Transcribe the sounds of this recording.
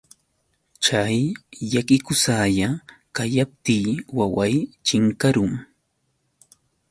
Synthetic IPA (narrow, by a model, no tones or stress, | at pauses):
t͡ʃajːakɪkʊsajakaʎap̚t̪iːwawajt͡ʃɪŋkaɾʊŋ